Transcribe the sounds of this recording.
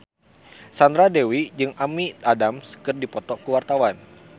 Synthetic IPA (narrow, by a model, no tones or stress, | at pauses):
sand̪ɾadewid͡ʒɨŋʔamit̪adamskɨrdipɔt̪ɔkuwart̪awan